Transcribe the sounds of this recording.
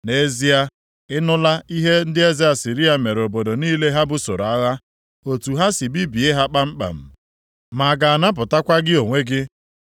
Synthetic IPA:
ne˦zi˦a˦ | ɪ˦nʊ˦la˦i˦ɦe˦n̩˦dɪ˦e˦zɪ˦a˨si˨ɾi˦a˨me˨ɾo˨bo˨do˨niː˦le˦ɦa˦bʊ˨so˨ɾa˦ɣa˦ | o˨tu˨ɦa˦si˨bi˦bi˨e˦ɦa˦k͡pa˦m̩˦k͡pa̰˨m̩˨ | ma˨ɡa˨a˨na˦p̬ʊ˨ta˦kʷa˦ɡɪ˦o˨ŋʷe˦ɡɪ˦

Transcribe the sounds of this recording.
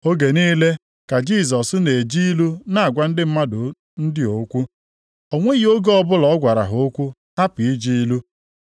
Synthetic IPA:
o˦ɡe˨niː˦le˦ | ka˨d͡ʒi˦˨sɔ˨sne˨d͡ʒi˦i˦lu˦na˦˨a˨ɡʷa˦n̩˦dɪ˦m̩˦ma˦dʊ˨ | n̩˦dɪ˦o˨˦kʷu˦ | o˨ŋʷe˦jo˦ɡɔ˦bʊ˦lɔ˨ɔ˦ɡʷa˨ɾa̰˨ɦo˨o˦kʷu˦ | a˦pi˨i˦d͡ʒi˦lu˦

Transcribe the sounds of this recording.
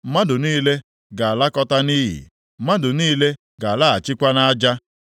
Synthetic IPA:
ma˦dʊ˨niː˦le˦ | ɡa˨a˨la˦kɔ˦ta˦ni˦ɦḭ˨˦ | ma˦dʊ˨niː˦le˦ | ɡa˨a˨la˦a˨t͡ʃɪ˦kʷa˦na˦a˦d͡ʒa˦

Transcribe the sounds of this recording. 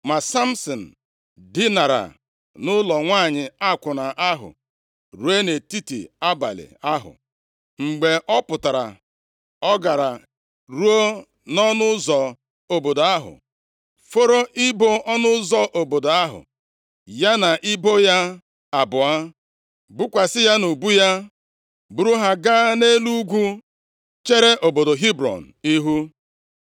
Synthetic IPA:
ma˨sa˦m̩˦sɔ˨n̩˨ | dɪ˦na˨ɾa̰˨ | nʊ˦lɔ˨ŋʷaː˦˨ɲɪ˨a˦˨kʷʊ˨na˨ʔa˦ɦʊ̰˨ | ɾu˨˦e˦ne˨ti˦tḭ˨a˦ba̰˨lɪ̰˨a˦ɦʊ̰˨ | ŋ͡m̩˨ɡ͡be˨ʔɔ˦pʊ˨ta˨ɾa̰˨ | ɔ˦ɡa˨ɾa˨ | ɾu˦o˦ | nɔ˦nʊ˦zɔ˨ | o˨bo˨do˨a˦ɦʊ̰˨ | fo˦ɾo˦ʔɪ˦bo˦ʔɔ˦nʊ˦zɔ˦ʔo˨bo˨do˨a˦ɦʊ̰˨ | ja˦na˨ʔɪ˦bo˦ja˦ | a˨bʊ˨a˦ | bu˦kʷa˨sɪ˦ja˦nu˨bu˦ja˦ | bu˨ɾu˦ɦa˦ɡaː˦ne˦lu˦ɡʷu˦ | t͡ʃe˦ɾe˦ʔo˨bo˨do˨ɦi˦bɾɔ̰˨n̩˨i˦ɦu˦

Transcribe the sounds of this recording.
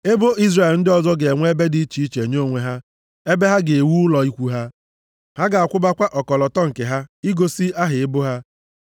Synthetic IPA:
e˦bo˦i˦zre˨e˨ln̩˦dɪ˦ɔ˨zɔ˦ɡe˨e˨ŋʷe˦be˦di˦i˦t͡ʃi˦i˦t͡ʃe˨ɲo˦˨ŋʷe˨ɦa˦ | e˦be˦ɦa˦ɡe˨e˨wu˦ʊ˦lɔ˨i˦kʷu˦ɦa˦ | ha˦ɡa˨a˨kʷʊ˦ba˦kʷa˦ʔɔ˨kɔ˨lɔ˨tɔ˦ŋ̩˨ke˨ɦa˦i˦ɡo˦si˦a˦ɦɪ˨ɪ˦bʊ˦ɦa˦

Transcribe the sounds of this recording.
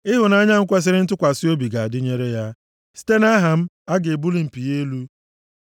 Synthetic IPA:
ɪ˦ɦʊ˨na˦a˦ɲa˦ŋ̩˦kʷa˦s̬ɪ˦ɾɪ˦n̩˦tʊ˦kʷa˨sɪ˦o˦bi˨ɡa˨a˨dɪ˦ɲe˦ɾe˦ja˦ | si̥˦te˦na˦ɦa˨m̩˦ | a˦ɡe˨bu˦li˨m̩˨pi˨je˦lu˦

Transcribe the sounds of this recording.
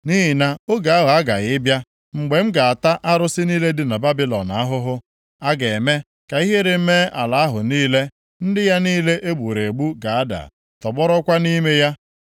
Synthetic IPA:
ni˦ɦɪ˨na˦o˦ɡa˨a˦ɦʊ˨a˦ɡa̰˨ɣɪ˦bja˦ | ŋ͡m̩˨ɡ͡be˨m̩˦ɡa˨a˨ta˦ʔa˦ɾʊ˦sɪ˦niː˦le˦dɪ˦na˨ba˦bɪ˦lɔ̰˨na˨a˦ɦʊ˦ɦʊ˦ | a˦ɡe˨me˦ | ka˨i˦ɦe˦ɾe˨˦me˦a̰˨la˨a˦ɦʊ̰˨niː˦le˦ | n̩˦dɪ˦ja˦niː˦le˦ʔe˦ɡ͡bu˨ɾe˨e˨ɡ͡bu˦ɡa˨a˦da̰˨ | tɔ˨ɡ͡bɔ˦ɾɔ˦kʷa˦ni˦me˦ja˦

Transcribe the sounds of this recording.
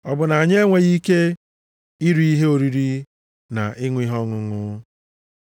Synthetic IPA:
ɔ˨bʊ˨na˨a˨ɲe˦ŋʷe˨ɣi˦ke˦ | i˦ɾu˦i˦ɦe˦o˨ɾi˦ɾi˦ | na˨ʔɪ˦ŋʷʊ˦i˦ɦɔ˦ŋʊ˨ŋʊ˦

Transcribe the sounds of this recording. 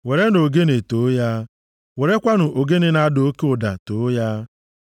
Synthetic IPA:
we˨ɾe˦no˨ɡe˦ne˨to˨˦ja˦ | we˨ɾe˦kʷa˦nʊ˨ʔo˨ɡe˦ne˦na˦do˦o˦ke˦ʊ˨da̰˨to˨˦ja˦

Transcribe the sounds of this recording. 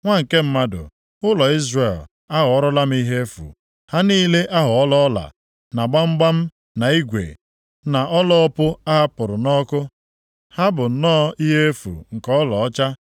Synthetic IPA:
ŋʷa˦ŋ̩˨ke˦m̩˦ma˦dʊ̰˨ | ʊ˦lɔ˨i˦zre˨l | a˦ɦʊ˨ɔ˦ɾɔ˦la˦m̩˦i˦ɦe˦fṵ˨ | ha˦niː˦le˦ʔa˦ɦʊ˨ɔ˦lɔ˦la̰˨ | na˨ɡ͡ba˦ŋ͡m̩˦ɡ͡ba˦m̩˦ | na˨i˦ɡʷḛ˨ | na˨ʔɔ˦lɔ˦ɔ˦pʊ˦a˦ɦa˦pʊ˨ɾʊ˨nɔ˦kʊ˦ | ha˦bʊ˨˦nɔː˦i˦ɦe˦e˦fṵ˨ŋ̩˨kɔ˦lɔ˨˦t͡ʃa˦

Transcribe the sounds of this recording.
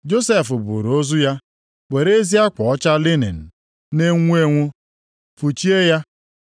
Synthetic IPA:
d͡ʒo˦se˦˨fʊ˨bṵ˨ɾo˦zu˦ja˦ | k͡pe˨ɾe˦zi˦a˦kʷɔ˨ɔ˦t͡ʃa˦li˦ne˨n̩˨ | ne˦ŋʷu˦e˦ŋʷʊ˦ | fu˨t͡ʃi˦e˦ja˦

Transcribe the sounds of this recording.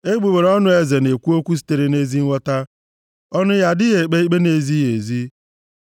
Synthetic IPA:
e˦ɡ͡bu˨we˨ɾɔ˦nʊ˨e˨ze˨ne˨kʷu˦o˦kʷu˦s̬i̥˦te˨ɾe˨ne˦zi˦ŋʷɔ˦ta˦ | ɔ˦nʊ˦ja˦dɪ˦ɣe˨k͡pe˦i˦k͡pe˦ne˨zi˦ɣe˨zi˦

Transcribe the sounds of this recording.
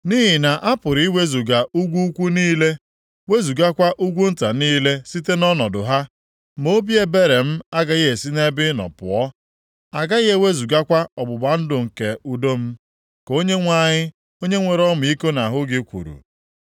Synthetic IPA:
ni˦ɦi˨na˨ʔa˦pʊ˨ɾi˦we˦zu˨ɡa˨ʔu˦ɡʷu˦kʷu˦niː˦le˦ | we˦zu˨ɡa˦kʷa˦ʔu˦ɡʷu˦n̩˦ta˨niː˦le˦si˦te˦nɔ˦nɔ˨dʊ˨ɦa˦ | mo˦bje˦be˦ɾe˨m̩˦a˦ɡa˦ɣe˦e˨si˦ne˦bɪ˦nɔ̰˨pʊ̰˨ɔ˦ | a˨ɡa˦ɣe˦we˦zu˨ɡa˦kʷa˦ɔ˨bʊ˨ba˨n̩˦dʊ˨ŋ̩˨ke˨u˨do˦m̩˦ | ko˦ɲe˦ŋʷa˦˨ɲɪ˦ | o˦ɲe˦ŋʷe˨ɾɔ˦mʊ˨i˦ko˦na˨ɦʊ˦ɡɪ˦kʷṵ˨ɾṵ˨

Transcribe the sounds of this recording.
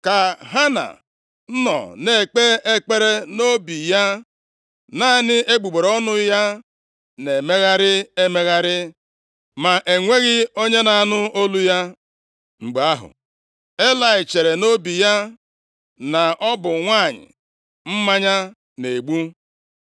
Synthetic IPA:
ka˨ɦa˦na̰˨ | n̩˦nɔ̰˨ne˨e˨k͡pe˦e˦k͡pe˦ɾe˦no˦bi˨ja˦ | na˦nɪ˦ʔe˦ɡ͡bu˨ɡ͡be˨ɾɔ˦nʊ˦ja˦ | ne˨me˦ɣa˦ɾɪ˦e˦me˦ɣa˦ɾɪ˦ | ma˨ʔe˨ŋʷe˦ɣɪ˦o˦ɲe˦na˨a˨nʊ˦o˦lu˦ja˦ | ŋ͡m̩˨ɡ͡be˨a˦ɦʊ̰˨ | e˦la˨ɪ˨t͡ʃe˨ɾe˨no˦bi˨ja˦ | na˨ɔ˦bʊ˨ŋʷa˦˨ɲɪ̰˨ | m̩˦ma˦ɲa˦ | ne˨ɡ͡bu˦

